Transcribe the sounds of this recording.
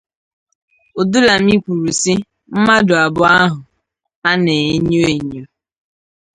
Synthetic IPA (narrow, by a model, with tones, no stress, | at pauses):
o˨du˦la˨m̩˦i˦kʷu˨ɾu˨si˦ | m̩˦ma˦dʊ˨a˨bʊ˦a˦ɦʊ˨ | a˦ne˨e˦ɲo˦e˨ɲo˦